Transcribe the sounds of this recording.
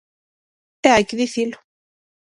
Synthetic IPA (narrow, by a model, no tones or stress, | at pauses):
t̪eajkeðiθilo̥